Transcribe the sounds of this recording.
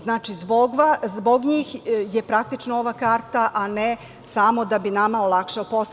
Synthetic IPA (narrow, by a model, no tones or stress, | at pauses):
znaːt͡ʃizboɡʋazboɡɲiːxjepɾak̚t̪it͡ʃnooʋakaːɾt̪aʔane | samo̞d̪abinamaolˠakʃeopos